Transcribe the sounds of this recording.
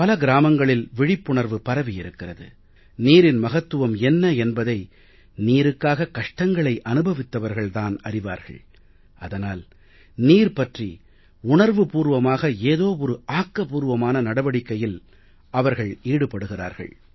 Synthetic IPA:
pɐlɐɡɪɾaːmɐŋɡɐɭɪlʋɪɻɪpːʊɳɐɾʋɯpɐɾɐʋɪjɪɾɯkːɪrɐðɯ̰ | niːɾɪnmɐɣɐt̪ːɯʋɐmɛnːɐɛnbɐðɐɪ | niːɾɯkːaːɣɐkɐʂʈɐŋɡɐɭɐɪʔɐnɯbɐʋɪt̪ːɐʋɐɾɣɐɭt̪aːnɐrɪʋa̰ːɾɣɐ̰ɭ | ɐðɐnaːl | niːɾpɐʈri | ʊɳɐɾʋɯpuːɾʋɐmaːɣɐeːðoːɔɾɯʔaːkːɐpuːɾʋɐmaːnɐnɐɽɐʋɐɽɪkːɐjɪl | ʔɐʋɐɾɣɐɭiːɽɯpːɐɽɯɣɪra̰ːɾɣɐ̰ɭ

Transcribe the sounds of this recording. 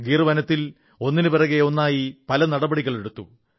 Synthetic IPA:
ɡiːrɨʋɐnɐt̪ːil | o̞nːinɨpɐrɐɣeo̞nːaːjipɐlɐnɐɽɐbɐɽiɣɐɭe̞ɽut̪ːṵ

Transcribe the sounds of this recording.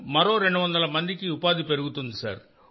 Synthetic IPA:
mɐɾo̞ːɾeɳɖuʋɐnd̪ɐlɐmɐnd̪ikiupaːd̪ipe̞ɾuɡut̪und̪isɐ̰ɾ

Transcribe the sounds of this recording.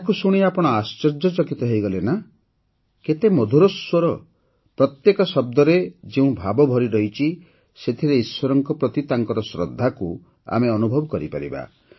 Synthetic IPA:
akusuɽ̃iapɔɽ̃ɔast͡ʃɔɾd͡ʒɔt͡ʃɔkit̪ɔɦejɡɔlena | ket̪emɔd̪ʱuɾɔswɔɾɔ | pɾɔt̪jekɔsɔb̚d̪ɔɾed͡ʒeũbʱabɔbʱɔɾiɾɔɦit͡ʃʰi | set̪ʰiɾeiswɔɾɔŋkɔpɾɔt̪it̪aŋkɔɾɔsɾɔ̰d̪ʱːaku | a̰meɔnubʱɔbɔkɔɾipaɾḭba̰

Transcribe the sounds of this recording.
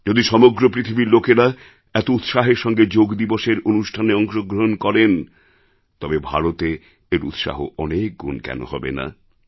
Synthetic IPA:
d͡ʑod̪iʃɔmoɡɾopɾit̪ʰibiɾlokeɾa | ɛt̪out̪ʃaɦeɾʃɔŋɡed͡ʑoɡd̪iboʃeɾonuʃʈʰaneɔŋʃoɡɾoɦonkɔɾen | t̪ɔbebʱa̰ɾot̪e | eɾṵt̪ʃa̰ɦo̰ʔɔnek̚ɡṵnkɛ̰no̰hɔbḛna̰

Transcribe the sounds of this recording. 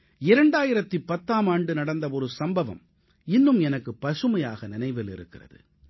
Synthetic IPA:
ɪɾɐɳɖaːjɪɾɐt̪ːipːɐt̪ːaːmaːɳɖɯnɐɽɐnd̪ɐɔɾɯsɐmbɐʋɐ̰m | ɪnːɯmɛnɐkːɯpːɐʂɯmɐja̰ːɣɐnɪnɐɪʋɪlɪ̰ɾɯ̰kːɪrɐ̰ðɯ̰

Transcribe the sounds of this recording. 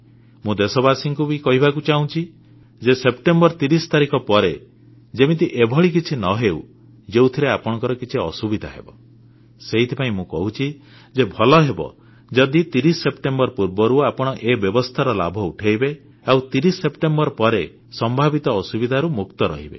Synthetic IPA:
mũd̪esɔbasiŋkubikɔɦibakut͡ʃaũt͡ʃʰi | d͡ʒesepʈembɔɾt̪iɾisɔ̥t̪aɾikɔpɔɾe | d͡ʒemit̪̬iʔebʱɔɭik̬it͡ʃʰinɔɦeu | d͡ʒewt̪ʰiɾeapɔɽ̃ɔŋkɔɾɔkit͡ʃʰiɔsubid̪ʱaɦḛbɔ | seɦit̪ʰipaĩmũkɔɦut͡ʃʰi | d͡ʒebʱɔlɔɦebɔ̰ | d͡ʒɔd̪it̪iɾisepʈembɔɾpuɾbɔɾuapɔɽ̃ɔʔebjɔbɔst̪ʰaɾɔla̰bʱɔuʈʰeibe | awt̪iɾisːepʈembɔɾpɔɾe | sɔmbʱabit̪ɔːsubid̪ʱaɾumukt̪ɔɾɔ̰ɦibḛ

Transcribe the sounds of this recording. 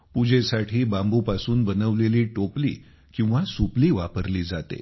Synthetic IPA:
pud͡ʑʱesaʈʰiːbãmbupasuːnbənəʋleliːʈoplḭː | kĩw̃ʋasupliːʋapəɾliːd͡zat̪ḛ

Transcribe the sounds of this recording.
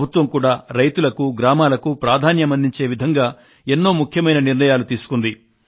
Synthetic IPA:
bʱut̪ʋɐmkuːɽaːɾɐjt̪ulɐkuɡɾaːmaːlɐkupɾaːd̪ʱaːnjɐmɐnd̪iɲt͡ʃe̞ːʋid̪ʱɐŋɡaː | enːo̞ːmukʰjɐmɐjnɐniɾnɐjaːlut̪iːsu̥kund̪i

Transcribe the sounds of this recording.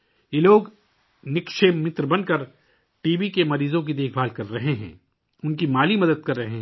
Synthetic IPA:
jeloːɡ | nɪkʃemɪt̪ɾəbɐnkɐɾ | ʈiːbikemɐɾiːzõk̬id̪eːkʰbaːlkɐɾːɐɦeɦɛ̰̃ː | ʊnkimaːlimɐd̪əd̪̚kɐɾːɐɦeɦ

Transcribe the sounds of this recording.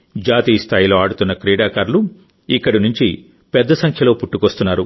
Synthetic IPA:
d͡ʒaːt̪iːst̪ʰaːjilo̞ːaːɽut̪unːɐkɾiːɽaːkaːɾlu | ikːɐɽinuɲt͡ʃi | pɛd̪ːɐsɐŋkʰjɐlo̞ːpuʈːukost̪unːaːɾṵ

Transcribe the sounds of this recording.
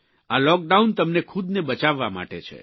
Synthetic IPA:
alɔk̚ɖaunt̪əmnekʰud̪nebət͡ʃaʋːama̰ʈet͡ʃʰḛ

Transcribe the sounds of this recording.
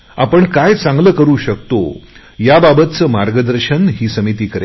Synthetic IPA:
a̰pəɳkajt͡sãŋɡləːkəɾuːɕək̚t̪o̰ | jababət̪t͡səːmaɾɡəd̪əɾɕənɦiːsəmit̪iːkəɾe

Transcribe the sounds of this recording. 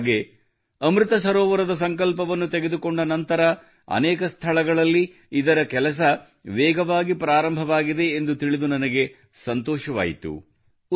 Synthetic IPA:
ɡe | ɐmɾit̪ɐsɐɾɔːʋɐɾɐd̪ɐs̬ɐŋkɐlpɐʋɐnːut̪eɡed̪ukoɳɖɐnɐnt̪ɐɾɐ | ɐ̰nɛːkɐst̪ʰɐɭɐɡɐɭɐlːi | id̪ɐɾɐkɛlɐs̬ɐ | ʋɛːɡɐʋaːɡipɾaːɾɐmbʱɐʋaːɡid̪e̞ːnd̪ut̪iɭid̪unɐnɐɡe̞ | sɐnt̪ɔːʃɐʋa̰ːjit̪ṵ

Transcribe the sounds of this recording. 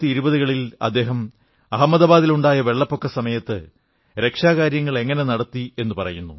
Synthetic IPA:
t̪ːiiɾubɐðuɣɐɭilɐ̰d̪ːe̞ːɦɐm | ɐɦɐmːɐðɐbaːðiluɳɖaːjɐʋe̞ɭːɐpːo̞kːɐsɐmɐjɐt̪ːɨ | ɾe̞kʂaːkaːɾjɐŋːɐɭe̞ŋːɐne̞nɐɽɐt̪ːie̞nːupɐrɐ̰junːṵ

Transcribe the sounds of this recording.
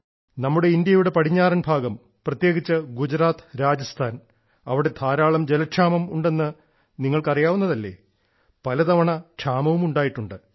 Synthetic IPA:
nɐmːuɽeind̪jɐjuɽe̞pɐɽiɲːaːɾɐnbʱaːɡɐm | prɐt̪je̞ːɡit͡ɕːɨɡud͡ʑɾaːt̪ɨ̥ɾaːd͡ʑɐst̪ʰaːn | ɐʋiɽe̞d̪ʰʱaːɾaːɭɐmd͡ʑelɐʂaːmɐmuɳɖe̞nːɨ | niŋːɐɭkɐrijaːʋunːɐðɐlːe̞̰ː | pɐlɐt̪ɐʋɐɳɐʈʂaːmɐʋumuɳɖaːjiʈːuɳɖɨ

